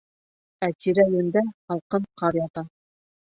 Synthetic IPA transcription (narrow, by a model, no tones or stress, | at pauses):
æt̪iɾæjɘ̆nd̪æhɑlˠqɤɴqʰɑɾjɑt̪ɑ